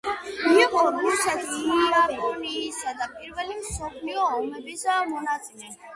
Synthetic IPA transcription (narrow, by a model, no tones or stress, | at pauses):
miːʁɔɡuɾsɛt̪ʰiiapʰʼɔniːsad̪apʼiɾvɛlimsɔpʰliɔːmɛbisamɔnat̪sʼilɛ